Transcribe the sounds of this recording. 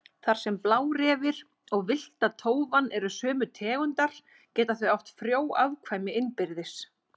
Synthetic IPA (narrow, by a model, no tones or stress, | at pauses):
θaɾ̥sɛmplaːwɾɛːvɪɾ | ɔɣvɪl̥t̪aðt̪ʰoːwvanːɛɾʏsœːmʏt̪ʰɛːɣʏnt̪aɾ̥ | cɛːt̪aθviawht̪fɾjoːwaðkʰvajmɪɪnpɪɾðɪs